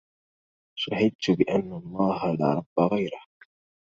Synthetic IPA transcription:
ʃahɪd̪̚t̪ʊbɪʔanːalˤːɑːhala̰ːɾˤɑbːaɣajɾah

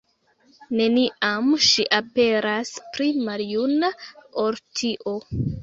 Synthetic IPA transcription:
ne̞niʔamʃiʔape̞ɾaspɾimaljunaʔoɾtʰiʔo̞

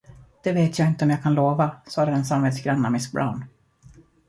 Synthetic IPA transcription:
d̪̥ɛveːt̪jaːɪnt̪əɔmjɑːɡkʰanloːvasɑːd̪əd̪ɛnsamveːd̪sɡɾanːamɪsk̚bɾa̰ʊn

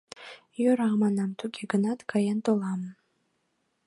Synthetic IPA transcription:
jøɾaʁmanamt̪ʰukʲeɡɨnat̪kʰajent̪olˠɑm

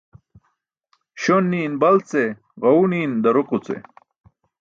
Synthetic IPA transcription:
ɕonːiːnbɐlt͡se | ɣɐwniːnd̪ɐɾuqut͡sḛ

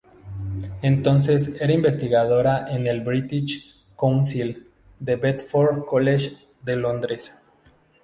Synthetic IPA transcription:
ent̪o̞ns̬e̞seɾaimbe̞st̪iɣað̞oɾaʔenelbɾit̪iʃ | konsil | d̪e̞βet̪foɾkoleʃ | d̪elo̞nd̪ɾes

